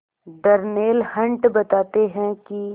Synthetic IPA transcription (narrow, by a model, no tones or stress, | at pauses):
d̪ɐɾneːlhɐ̃ɳʈbɐt̪aːt̪eɦɛ̃ki